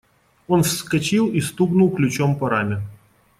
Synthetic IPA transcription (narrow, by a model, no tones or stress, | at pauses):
onfskɐt͡ɕilˠist̪upnʊlˠklʲʊt͡ɕompɐɾamʲɪ